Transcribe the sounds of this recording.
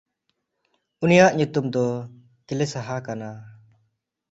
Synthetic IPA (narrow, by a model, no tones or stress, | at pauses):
unijaʔɲut̪umd̪ɔ | kilɛsaɦakana